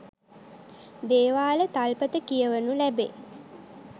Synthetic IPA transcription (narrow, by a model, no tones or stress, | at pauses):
d̪eːʋaːlət̪alpət̪əkijəʋənulæbe